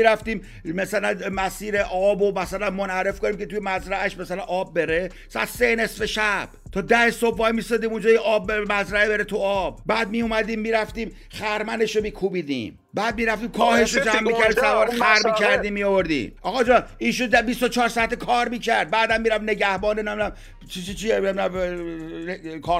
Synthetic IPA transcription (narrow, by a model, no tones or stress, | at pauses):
iɾæft̪iːm | mæsælænmæsiːɾeʔɒːbomæsælænmonhæɾe̞fko̞niːmkʲʰet̪ujemæzɾæʔæʃmæsælænʔɒːb̚ːe̞ɾe̞ | sæ̰t̪sene̞sfeʃæb̥t̪ʰɒːd̪æhesob̚ːɒːimiːsɒːd̪iːmund͡ʒɒːjeʔɒːbːmæzɾæebeɾet̪ʰuɒːb̥̚bæːd̪̚mijumæd̪iːmːiːɾæft̪iːm | χæɾmæne̞ʃomiːkʰuːbiːd̪ḭːm | bæːd̪̚miːɾæft̪iːmkʰɒːhe̞ʃɾod͡ʒæmːiːcʰæɾd̪isævɒːɾexæɾmicʰæɾd̪iːmːiovoɾd̪ḭːmʔɒːɣɒd͡ʒɒiːʃund̪æbist̪ot͡ʃʰɒːɾsɒæt̪ʰːekʰɒːɾmiːcʰæɾd̪̚bæːd̪æmːiːɾæne̞ɟæhbɒːnenemæm | t͡ʃʰit͡ʃit͡ʃʰiememæm | kʰɒː